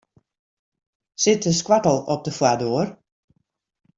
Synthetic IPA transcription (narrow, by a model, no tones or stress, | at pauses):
sɪtəskwatəl̩ˠɔp̚dəfwadoər